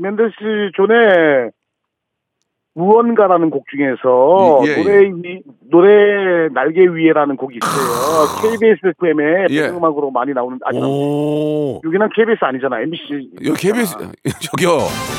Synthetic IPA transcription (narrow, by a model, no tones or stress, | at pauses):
mendɕ͈it͡ɕone | muʌnɡaɾanɯnkok̚t͡ɕ͈uŋe̞sʰʌoɾeinoɾenaɭɡeɥie̞ɾanɯnkoɡiːs͈ʌjokʰeibies͈ɯpʰuemepʰeŋɡɯmɦaɡɯɾomaɲinaonɯna̰ɲia | joɡinankʰeibies͈ɯaɲid͡ʑanajembiɕ͈ikʰebist͡ɕʌɡjo